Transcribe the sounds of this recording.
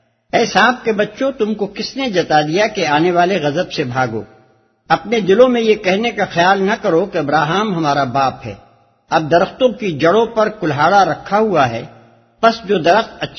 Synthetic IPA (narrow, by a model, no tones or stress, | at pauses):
ɛːsaːb̚kebɐtːʃõt̪ʊmkokɪsned͡ʒɐt̪ad̪ijakeaːneʋaːleɣɐzəbsebʱaːɡo̰ː | ɐpned̪ɪlõmẽjekɛɦnekaxɐjaːlnɐkɐɾokeɐbɾaːɦaːmɦɐmaːɾabaːpɦɛ̰ː | ɐb̚d̪ɐɾəxt̪õkid͡ʒɐɽõpɐɾkʊlɦaːɽaɾɐkʰːaɦuaɦɛː | pɐsd͡ʒoːd̪ɐɾəxt̪ɐtːʃʰ